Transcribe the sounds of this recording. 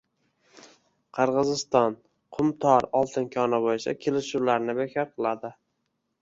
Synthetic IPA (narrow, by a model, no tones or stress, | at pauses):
qʰɨɾʁɨzɪst̪ɒn | qʰʊmt̪ʰɒɾɒlˠt̪ʰɪnkʲʰɒnabojɪt͡ʃʰa̰kʲʰelɪʃulaɾnɪbekʲʰɒɾqʰɨlˠad̪ɪ